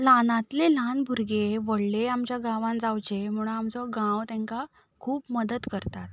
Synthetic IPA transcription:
lanãt̪lelanbʱuɾɡeʋəɽleamt͡ɕjaɡãʋãnd͡zawt͡ɕem̤uɽamt͡sɔɡãwt̪ɛ̃ŋka | kʰuːpməd̪ət̪kəɾt̪at̪

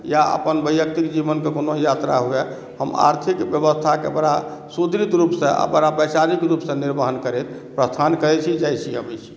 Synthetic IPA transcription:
jaə̰pənbəjjək̚t̪ikd͡ʒiβənkekonojat̪ɾa̰ɦue | ɦəma̰ɾt̪ʰikbjəβəst̪ʰakḛbəɽasud̪ʱɾit̪ɾupsẽa̰bəɽabəjsaɾikɾupsẽniɾbəɦənkəɾɛt̪ | pɾəst̪ʰankəɾɛt͡ʃʰid͡ʒajt͡ʃʰiɦəbɛjt͡ʃʰi̥

